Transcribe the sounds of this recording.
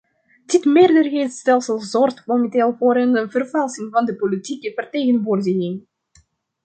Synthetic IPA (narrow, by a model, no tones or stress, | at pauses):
d̥ɪtmɪːrdərɣejtstɛlˠsəlˠzɔrxtkomənteːlˠvoːɾənvərvɛlˠsɪŋvɑndəpolitikəvərteːɣənʋoːrdəɣɪŋ